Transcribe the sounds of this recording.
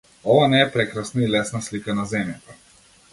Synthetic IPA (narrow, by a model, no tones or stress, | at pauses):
ɔʋanɛɛpɾɛkɾasnailɛsnaslikanazɛmjɛpa